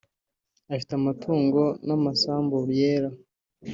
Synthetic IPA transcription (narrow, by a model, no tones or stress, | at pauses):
aʃi̥tamatʰuːŋɡo̞namasaːmbuβjeːɾa